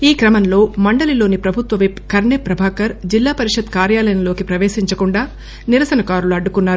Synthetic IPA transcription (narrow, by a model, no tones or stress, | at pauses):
iːkɾɐmɐnlo̞ːmɐɳɖɐlilo̞ːnipɾɐbʱut̪ʋɐʋipkɐɾɳeːpɾɐbʱaːkɐɾd͡ʒilːaːpɐɾiʂɐd̪kaːɾjaːlɐjɐnɐlo̞ːkipɾɐʋeːʃiɲt͡ʃɐkuɳɖaː | niɾɐsɐnɐkaːɾuluɐɖːukunːaːɾu